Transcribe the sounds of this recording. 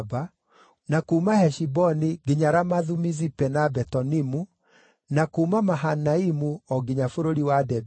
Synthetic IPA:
ba | nakuːmahɛʃibɔniɡeɲaɾamaðumizipɛnabɛtɔnimu | nakuːmamaɦanaimuɔɡeɲafoɾoɾiwadɛb

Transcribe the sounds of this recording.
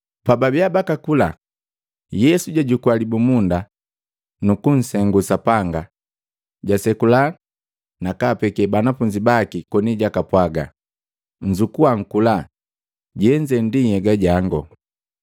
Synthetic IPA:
pababjabakakula̰ | jɛsuɟaɟukuwalibumunda | nukun̩sɛŋɡusapaŋɡa | ɟasɛkula | nakapɛkɛbanafuɲd͡ʒibakikɔniɟakapwaɡa̰ | ɲ̩d͡ʒukuaŋ̩kula | ɟɛɲd͡ʒɛndihɛɡaɟaŋɡɔ

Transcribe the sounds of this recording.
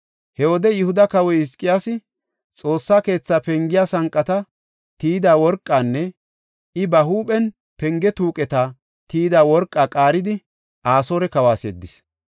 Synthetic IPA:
hɛwɔd̪ɛjʊhʊd̪ɐkɐwɔjɪskʼːɪjaːsɪ | t͡sʼo̞ːsːaːke̞ːt͡sːaːpɛŋɡɪjaːsɐŋkʼːɐt̪ɐ | t̪iːd̪aːwɔɾkʼːaːnːɛ | ɪbɐhuːpʼɛn | pɛŋɡɛt̪uːkʼɛt̪a | t̪iːd̪aːwɔɾkʼːakʼaːɾɪd̪ɪ | ʔaːsoːɾɛkɐwaːsɛd̪ːɪs

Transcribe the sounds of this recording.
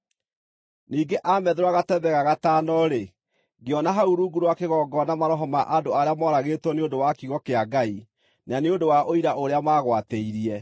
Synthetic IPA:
niːɡeʔamɛðeɾwaɣatɛβɛɣaɣataːnɔɾe | ɡeɔnaɦauɾuɡuɾwakeɣɔɡɔnamaɾɔɦɔmaʔadoaɾeamɔɾaɣeːtwɔneondowakiɣɔkeaɡai | naneondowaʔoiɾaʔoɾeamaːɣwateiɾiɛ

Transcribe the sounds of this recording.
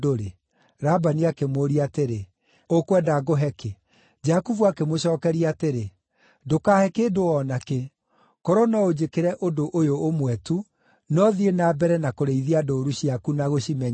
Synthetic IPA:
oɾe | ɾabaniakemoɾiateɾe | okwɛdaɡoɦɛke | d͡ʒakuvuakemoɕɔːkɛɾiateɾe | dokaːhɛkeːdoɔnake | kɔɾɔnɔod͡ʑekeɾɛʔodoʔojoːmwɛtu | nɔðienabɛɾɛnakoɾeiðiadoɾuɕiakunaɣoɕimɛɲ

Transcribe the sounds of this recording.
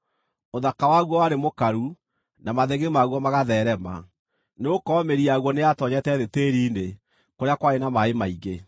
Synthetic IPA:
oðakawaɣwɔwaɾemokaɾu | namaðeɣemaɣwɔmaɣaðɛɾɛma̰ | neokɔmeɾiaɣwɔneatɔɲɛtɛðeteːɾiːnde | koɾeakwaɾenamaemaiɣe

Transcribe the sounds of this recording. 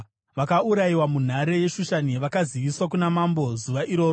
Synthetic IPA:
ʋakauɾajiwamun̤aɾe̞je̞ʃuʃaniʋakaziʋiswak̬unamambo̞zuʋaʔiɾo̞ːro

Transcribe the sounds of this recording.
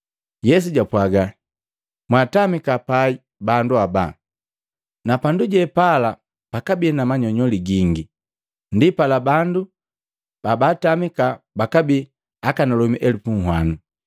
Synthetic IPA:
jɛs̬uɟapwaɡa | mwatamikapai | banduaba̰ | napanduɟɛpala | pakabinamaɲɔɲɔliɡiŋɡi | ndipalabandu | b̥abatamikabakabi | akanalɔmiʔɛlupuŋ̩hwanu

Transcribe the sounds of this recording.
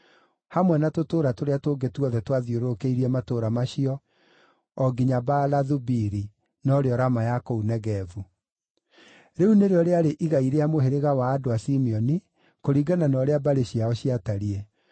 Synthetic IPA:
hamwɛnatotoːɾatoɾeatoɡetwɔðɛtwaðioɾokeiɾiɛmatoːɾamaɕiɔ | ɔɡiɲabalaðubiɾi | nɔɾeɔɾamajakounɛɣɛvu | ɾeuneɾeɔɾeaɾeʔiɣaiɾeamoɦeɾeɣawaːdoasimiɔni | koɾiːɡananɔɾeabaɾeɕiaɔɕiataɾiɛ

